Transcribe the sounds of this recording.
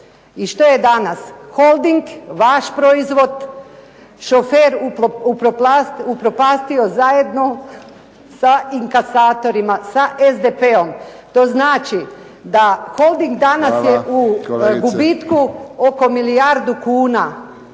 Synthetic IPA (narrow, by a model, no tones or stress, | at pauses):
iʃt̪o̞jed̪anasxo̞lˠd̪iŋɡʋaʃpɾo̞izʋo̞d̪ | ʃofeɾuupɾopasupɾo̞paːst̪io̞zaje̞d̪no̞ | saiŋkasaːt̪o̞ɾimasaʔezd̪epeo̞m | t̪o̞znaːt͡ʃi | d̪axo̞lˠd̪iŋɡd̪anasjeʔuɡubit̪kuo̞ko̞milijaɾd̪ukuːna